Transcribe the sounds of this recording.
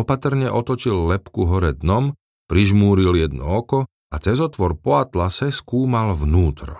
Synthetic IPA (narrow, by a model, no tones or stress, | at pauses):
ɔpat̪r̩ɲɛʔɔt̪ɔt͡ʃilːɛpkuɦɔɾɛd̪nɔm | pɾiʒmuːɾiljɛd̪̚nɔ̰ɔkɔ | at͡sɛzɔt̪ʋɔɾpɔat̪lasɛskuːmalʋnuːt̪ɾɔ